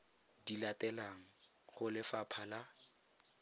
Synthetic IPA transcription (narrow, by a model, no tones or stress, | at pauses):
dilatɛlaŋ̩ | χʊlɪfapʰala